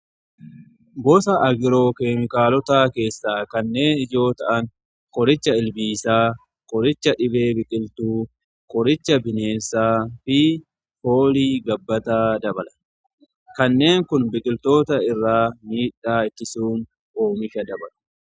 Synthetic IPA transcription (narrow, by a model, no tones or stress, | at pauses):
bɔsɐʔɐɡɪɾo̞ːke̞ːmɪkaːlɔt̪aːke̞ːsːaːkɐnːe̞ːnɪd͡ʒo̞ːt̪ɐʔɐŋ | kʼɔɾɪt͡ʃːɐɪlbiːsaː | kʼɔɾɪt͡ʃːɐᶑɪbe̞ːbɪkʼɪlt̪uː | kʼɔɾɪt͡ʃːɐbɪne̞ːnsaːfɪ | fo̞ːliːɡɐbːɐt̪aːd̪ɐbɐlɐ̥ | kɐnːe̞ːŋkʊnbɪkʼɪlt̪o̞ːt̪ɐɪrːaːmiːᶑaːɪt̪ːɪsuːn | ʔoːmɪʃɐd̪ɐbɐlɐ̥